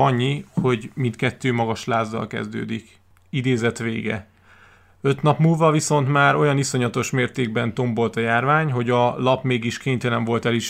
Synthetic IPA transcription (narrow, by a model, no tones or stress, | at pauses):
ɒɲːiho̞ɟmint̪kɛt̪ːøːmɒɡɒʃlaːzːɒ̰lkɛ̰zd̪ø̰ːd̪ik | id̪eːzɛt̪ʋḛːɡɛ̰ | ø̞t̪nɒpmuːlvɒviso̞nt̪maːɾo̞jɒniso̞ɲɒt̪o̞ʃmeːrt̪eːɡ̚bɛnt̪o̞mbo̞lt̪ɒjaːrvaːɲɦo̞ɟɒlɒpmeːɡiʃkeːɲt̪ɛlɛɱvo̞lt̪ɛliʃ